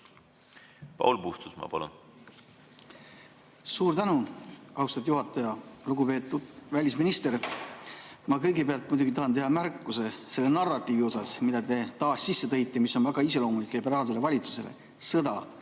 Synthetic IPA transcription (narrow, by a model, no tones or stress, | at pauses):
pɑ̰wlpust̪usmɑ̰pɑ̰lṵn | suːɾt̪ænuɑwst̪ɑd̪juɦɑt̪ːˑɑjɑluɡ̥upe̞ːt̪ːˑud̪̥vælʲisminist̪e̞ɾ | mɑkɤjɡe̞peɑlt̪̚mujd̪uɡit̪ɑɦɑnt̪e̞ɦɑmærkːuse̞se̞lːe̞nɑrːɑt̪ːˑiːvio̞sɑsmid̪ɑt̪e̞t̪ɑːsːisːet̪ɤ̞jt̪ːˑemisːo̞nvæɡ̥ɑiselo̞ːmulikˑlibe̞ɾɑːls̬e̞le̞vɑlʲit̪su̥se̞̰le̞̰ | sɤ̞d̪ɑ